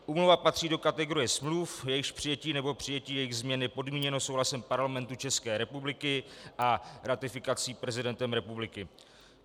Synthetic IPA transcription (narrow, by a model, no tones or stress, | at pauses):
ʔuːmluvapat̪r̥iːdo̞kat̪ɛɡo̞ɾɪjɛsmlufjɛjɪxʃpr̥ɪjɛciːnɛbo̞pr̝̥ɪjɛciːjɛjɪɣzmɲɛnɪpo̞dmiːɲɛnosowɦlasɛmpaɾlamɛnt̪ut͡ʃɛskɛːɾɛpublɪkɪʔaɾat̪ɪfɪkat͡siːpɾɛzɪdɛnt̪ɛmɾɛpublɪkɪ